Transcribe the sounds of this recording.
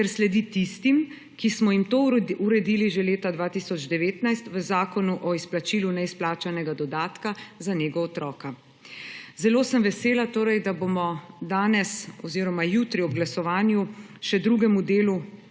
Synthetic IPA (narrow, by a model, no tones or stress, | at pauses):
kɛɾslɛd̪it̪ist̪im | kismɔjimt̪oːuɾɛd̪iːliʒɛleːt̪ad̪ʋaːt̪isɔd͡ʒd̪ɛʋeːt̪najst̪ʋəzaːkɔnuʔɔisplat͡ʃiːlunɛisplaːt͡ʃanɛɡad̪ɔd̪aːt̪kazaneːɡɔːt̪ɾɔːka | zɛloːsəmʋɛseːlat̪oːɾɛjd̪abomɔd̪aːnɛsɔziːɾɔmajut̪ɾiɔbɡlasɔʋaːnju | ʃɛd̪ɾuɡɛmud̪eːlu